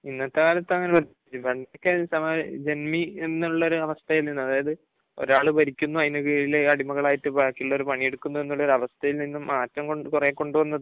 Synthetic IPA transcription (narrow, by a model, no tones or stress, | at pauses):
inːɐt̪ːɐkaːlɐt̪ːɐŋːɐnepɐt̪ | it͡ɕːubeɳɖɐjokːesɐmd͡ʑe̞nmienːiuɭːɐo̞ɾuɐʋɐst̪ʰɐjilninːɨɐðaːjɐðɨ | o̞̰ɾaːɭɨbɐɾikʲːunːuɐðinuɣiːɾileɐɽimɐɣɐɭaːjiʈːɨpaːkːiuɭːɐo̞ɾupɐɳijeɽukːunːue̞nːuɭːɐo̞ɾuɐʋɐst̪ʰɐjilninːɨmaːtːɐmkoɳkureːkːo̞ɳɖuʋɐnːɐðɨ